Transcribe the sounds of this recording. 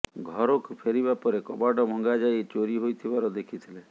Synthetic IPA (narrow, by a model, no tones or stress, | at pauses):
ɡʱɔɾokpʰeɾibapɔɾekɔbaɖɔmɔŋɡad͡ʒajt͡ʃoɾiɦojt̪ʰibaɾɔd̪ekʰit̪ʰile